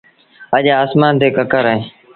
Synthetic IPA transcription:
əʄaaːsmaːnt̪eːkəkəɾəẽː

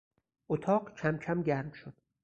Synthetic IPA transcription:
ʔot̪ʰɒːɢcʰæmcʰæmɟæɾmʃod̪̥

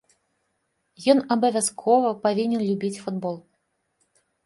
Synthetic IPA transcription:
jɔnɐbɐvʲaskʰɔvɐpavʲinʲɛnlʲubʲit͡sʲfud̪bɔlˠ

